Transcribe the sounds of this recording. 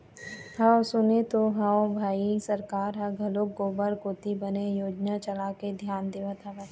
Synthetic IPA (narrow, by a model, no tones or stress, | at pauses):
ɦaosʊnet̪oɦaːobʱaːisɐɾkaːɾɦɐɡʱɐlokɡoːbəɾkoːt̪ibɐnejoːd͡ʒnat͡ʃɐlaked̪ʱjaːnd̪eːʋət̪ɦɐʋət̪